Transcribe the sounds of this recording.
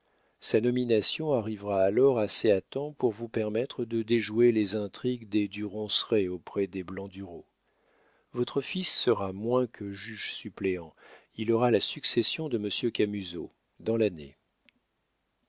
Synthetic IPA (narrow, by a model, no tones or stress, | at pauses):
sanɔminasjɔ̃aʁivʁaːlɔʁaseat̪ɑ̃puʁvupɛʁmɛt̪χəd̪əd̪eʒuelezɛ̃t̪χiɡd̪ed̪yʁɔ̃sʁeopχɛd̪eblɑ̃d̪yʁo | vɔt̪χəfisːəʁamwɛ̃kʰəʒyʒsypleɑ̃ | ilɔʁalasyksesjɔ̃d̪əməsjøkamyzo | d̪ɑ̃lanḛ